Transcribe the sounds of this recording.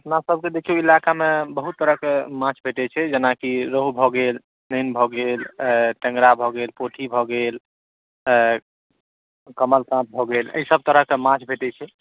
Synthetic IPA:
əpnasəb̚ʱked̪ekʰioilakamebəɦut̪ːəɾəɦkemãt͡ʃʰbʱeʈɛt͡ʃʰɛd͡ʒənakiɾoɦubʱɔɡel | nenbʱɔɡelʈə̃ŋɡɾabʱɔɡelpoʈʰibʱɔɡel | kəməlkãt̪̚bʱɔɡelə̰jsəb̚t̪əɾəɦkemãt͡ʃʰbʱeʈɛt͡ʃʰɛ

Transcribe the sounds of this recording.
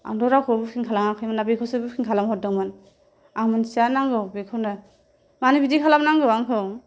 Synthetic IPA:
a̰ŋdɔɾakʰɔbɯkʰiŋkʰalaŋaŋkʰajmanabikʰɔsɯbɯkʰiŋkʰalamhɔt̚dɔŋman | aŋmɯnsianaŋɡɯbikʰɔna | manibidikʰalamnaŋɡɯaŋkʰɯ

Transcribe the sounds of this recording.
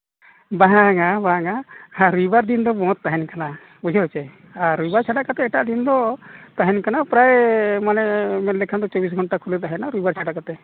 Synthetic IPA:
baɦaŋabaaŋahaɾujbaɾd̪ind̪ɔbɔ̃ɔt̪ːaɦɛnkana | bud͡ʒɔt͡ʃɛ | aɾːujbaɾt͡ʃʰaɖaʔkat̪ɛɛʈaʔd̪ind̪ɔt̪aɦɛnkanapɾajmanɛmɛlɛkʰand̪ɔt͡ʃɔbis̬ɡʱɔɳʈakʰulɛt̪aɦɛnaɾujbaɾt͡ʃʰaɖaʔkat̪ɛ

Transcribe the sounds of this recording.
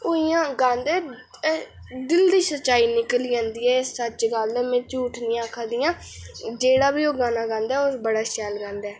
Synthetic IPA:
oːiːãːɡãːnd̪ɛː | d̪ɪld̪iːsətːt͡ʃːʃaːiːnɪkəliːd͡ʒãːnd̪iːɛːssət͡ʃɡəld̪ɛːmɛ̃ːt͡ʃuːʈʰnĩːaːkʰaːd̪iːjãː | d͡ʒeːɽaːbiːoːɡãːnaːɡãːnd̪ɛːosbəɽaːʃaːlɡãːnd̪ɛː

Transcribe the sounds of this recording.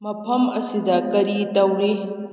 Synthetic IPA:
mɐpʰɐmɐsidɐkɐɾitɐwɾi

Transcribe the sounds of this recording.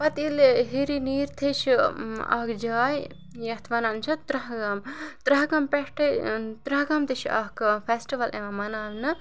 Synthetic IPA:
pɐt̪ilɦiɾiniːɾt̪ʰeʃiɐ̰kd͡ʒaːj | jɐt̪ʰʋɐnɐnt͡ʃʰɐt̪ɾɐɦɡɐmt̪ɾɐɦɡɐmpeʃʈɐt̪ɾɐɦɡɐmt̪ʰeʃɐ̰kpʰesʈiʋɐlʔḛʋɐmɐnaːʋnɨ

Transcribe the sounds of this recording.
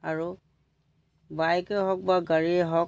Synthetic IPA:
aɹu | bajkɛɦɔk̚baɡaɹiɛɦɔk

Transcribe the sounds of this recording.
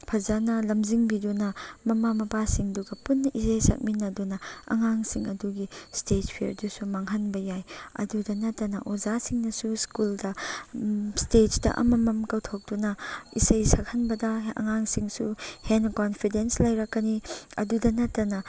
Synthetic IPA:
pʰɐzanɐlɐmziŋbidunɐmɐmamɐpasiŋduɡɐpunːɐʔisɐjsɐ̰k̚minːɐdunɐɐ̰ŋaŋsiŋɐduɡistetpʰiɾdusumaŋɦɐnbɐjajɐ̰dudɐnɐtːɐnɐʔozasiŋnɐsuskuldɐ | stet͡ʃdɐ̰ʔɐ̰mɐmɐmkɐwtʰok̚d̥unɐḭsɐjsak̚hɐnbɐdɐɐ̰ŋaŋsiŋsṵhenkonpʰidenslɐjɾɐkːɐniɐ̰dudɐnɐtːɐnɐ

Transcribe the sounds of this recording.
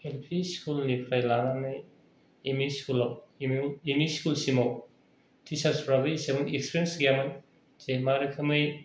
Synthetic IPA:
helpʰiskulnipʰɾajlananɯj | emiskulaw | emiskulsimow | tʰisaɾspɾabɯisebɐŋekspɾensɡiaman | zemaɾɐkʰɐmɯj

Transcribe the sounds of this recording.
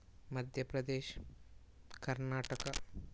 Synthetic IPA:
mɐd̪ʱjɐpɾɐd̪eːʃ | kɐɾnaːʈɐkɐ

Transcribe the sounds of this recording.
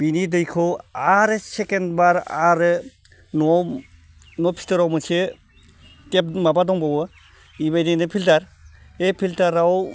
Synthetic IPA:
b̥inidɯjkʰɯaɾɯsekendbaɾaɾɯ | nɔ | nɔpʰi̥tɯɾawmɯse | tep̚mabadɔŋbawɯ | ibajdenɯpʰiltaɾepʰiltaɾaw

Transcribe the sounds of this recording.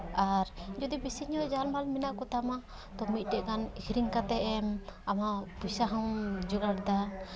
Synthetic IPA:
aɾd͡ʒɔd̪ibisiɲɔʔd͡ʒalmalminaʔkɔt̪ʰama | t̪ɔmit̪̚ˀɖɛʔkanikʰɾiŋkat̪ɛʔɛmamapusaɦɔŋd͡ʒuɡaɾd̪a

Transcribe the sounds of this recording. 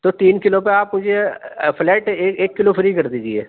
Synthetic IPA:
t̪oːt̪iːnkɪlopeaːpmʊd͡ʒepʰlɛːʈːkeːkːɪloːpʰɾiːkəɾd̪iːd͡ʒieː

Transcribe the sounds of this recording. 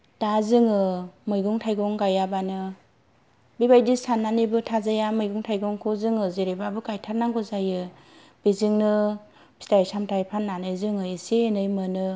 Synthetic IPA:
d̥azɯŋɯmɯjɡuŋtʰajɡɔŋɡajabanɯ | bibajdisanːanɯjbɯtʰazajamɯjɡuŋtʰajɡɔŋkʰɔzɯŋɯzeɾebabɯkajtʰaɾnaŋɡɔzajɯ | b̥izɯŋnɯ | pʰi̥tajsamtʰajpʰanːanɯjzɯŋɯeseːnɯjmɯnɯ

